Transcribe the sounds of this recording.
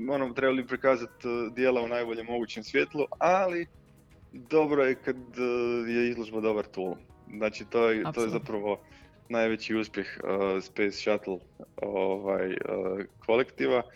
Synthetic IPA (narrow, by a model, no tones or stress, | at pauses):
o̞not̪ɾe̞baliipɾikaːzat̪d̪je̞ːlaunajboʎe̞mːo̞ɡuːt͡ɕe̞msʋje̞t̪lˠuali | d̪o̞bɾo̞jekad̪jeizlˠoʒbad̪o̞baɾt̪uːlznaːt͡ʃit̪oːjet̪ojezapɾaʋo̞ | najʋet͡ɕiuːspje̞xspejsʃat̪lˠoʋajə̰ːkʰo̞lekt̪iʋa